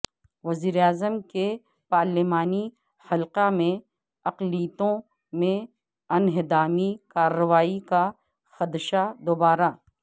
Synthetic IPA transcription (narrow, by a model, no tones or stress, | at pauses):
ʋɐziːɾeaːzəmke | paːɾlɪmaːni | hɐlqamẽ | ɐqliːt̪õ | mẽ | ɐnɦɪd̪aːmikaːɾːəʋaːika | xɐd̪ʃad̪obaːɾa